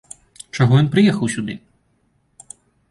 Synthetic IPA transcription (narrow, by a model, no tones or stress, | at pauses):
t͡ʃɔɦɔjʲinpɾɪjɛxɐwsʲʊd̪ɪ